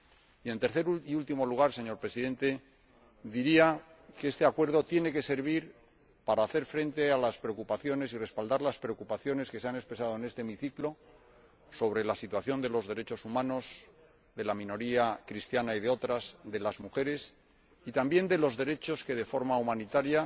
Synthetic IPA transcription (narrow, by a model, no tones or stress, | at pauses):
ie̞nt̪e̞ɾθe̞ɾuiult̪imo̞luɣ̞aɾse̞ɲo̞ɾpɾe̞siðẽ̞nt̪e̞ | ðiɾia | kee̞st̪e̞akwe̞ɾðo̞t̪je̞ne̞ke̞se̞ɾβiɾ | paɾaːθe̞ɾfɾẽ̞nt̪e̞alaspɾe̞okupaθjo̞ne̞sire̞spald̪aɾlaspɾe̞o̞kupaθjo̞ne̞ske̞seanespɾe̞sað̞o̞ene̞st̪emiθiklo̞ | so̞β̞ɾe̞lasit̪waθjo̞nd̪e̞lo̞zðe̞ɾe̞t͡ʃo̞sumãno̞s | ðe̞lamĩno̞ɾiakɾist̪janaið̞eo̞t̪ɾazðe̞lazmuxe̞ɾe̞s | it̪ambje̞nd̪e̞lo̞zðe̞ɾe̞t͡ʃo̞ske̞ðe̞fo̞ɾmaumanit̪aɾja